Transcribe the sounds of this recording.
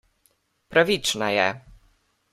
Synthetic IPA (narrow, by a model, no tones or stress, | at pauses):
pɾavʲit͡ʂnajɛ̰